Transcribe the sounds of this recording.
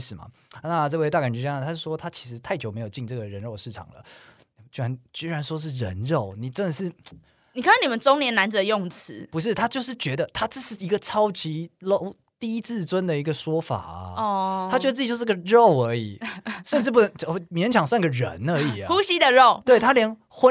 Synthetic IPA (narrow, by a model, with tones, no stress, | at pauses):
ʂɻ̩˨˩mɐ̰˩ | na˥˧ʈ͡ʂɤ˥˧we˥˧ɪa˥˩ka˨˩nʈ͡ʂ̩˧t͡ɕja˥nə˨t̪ʰa˥˩ʂwɔ˥t̪ʰa˥t͡ɕʰi̥˧˥ʂɻ̩˧˥t̪ʰa˥˩ɪt͡ɕjo˨ʊme˧˥ɪjo˨˩ʊt͡ɕi˥˧ŋnʈ͡ʂɤ˥˩ɡə˩ɻə˧˥nɻo˥˧ʊʂɻ̩˥˩ʈ͡ʂʰɑ̰˨˩ŋlə̰˦ | ni˨˩m˨t͡ɕy˥ɻa˧˦nt͡ɕi˥ɻa˧˦nʂwɔ˥ʂ̬ɻ̩˥˩ɻə˧˦nɻo˥˩ʊni˨˩ʈ͡ʂə˦˥nd̪ə˨ʂɻ̩˥˩ | ni˨kʰa˥n˥˩ni˨˩mə˨˦nt͡sʊ˥ŋnjɛ˧˥na˧˦nd͡z̩˨d̪ə˧jo˥˩ŋt͡s̩ʰ˧˦pu˧˦ʂ̬ɻ̩˥˩t̪ʰa˥t͡ɕjo˥˧ʊʂ̬ɻ̩˥˩t͡ɕɥɛ˧˥d̪ə˧t̪ʰa˥ʈ͡ʂɤ˥˧ʂɻ̩˥˩i˧˥ɡə˨ʈ͡ʂʰɑ˥ʊt͡ɕʰi˧˥lo˥˧ʊ | t̪i˥˧i˦˥t͡sʰɹ̩˥˩t͡swə˦nd̪ə˨i˧˥ɡə˨ʂwɔ˥fa̰˨˩˦ɔ˥˧˩t̪ʰa˥t͡ɕɥə˧˥˩o˥˧ʂ̩˥ɡə˨˩ɻo˥˨ʊə˞˧˥ḭ˨˩ʂə˥˧nʈ͡ʂɻ̩˥˩p̬u˥˩nə˧˥ŋ˧˩mjɛ˧˥˦nt͡ɕʰjɑ˨˩ŋswa˥˧ŋi˥˩ɡə˩ɻə̰˧˦nə˞˧˥i˩˦xu˦ɕi˥d̪ə˨ɻo˥˨ʊt̪we˥˩ɪt̪ʰa˥ljɛ˧˥n | xwə˦